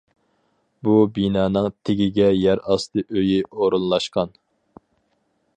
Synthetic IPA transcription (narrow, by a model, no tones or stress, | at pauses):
bubinɑːnɨŋt̪ʰeɡʲiɡʲɛjæɾɑst̪ɨʔøjiʔoɾunlˠɑʃqɑn